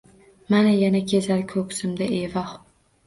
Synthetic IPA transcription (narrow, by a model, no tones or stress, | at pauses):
manajanakʲʰezalkʲʰɵkʲsɪmd̪aevɒh